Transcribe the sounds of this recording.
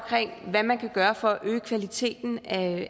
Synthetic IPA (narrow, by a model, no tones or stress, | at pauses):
kʰʁeŋ̰ʋæmænkʰæɡ̥ɶːɐfɒ̽ʔø̰ːkʰʋælit͡sʰe̝̰ːd̥n̩æ